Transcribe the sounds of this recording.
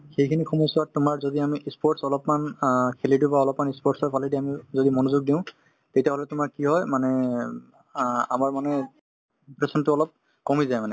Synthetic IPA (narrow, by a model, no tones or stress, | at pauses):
xejkʰinixʰumɔjsʊatʊmaɹzodiamiʔispɔɹʈsɔlɔpmankʰelitubaɔlɔpmanispɔɹʈsɔjpʰalidiamizodimɔnuzuɡ̚diʊ̃ | tetijaɦɔlɛtʊmaɹkiɦɔjmanɛ | a̰maɹmanɛ | pɹesɔntʊɔlɔp̚ | kɔmizajmanɛ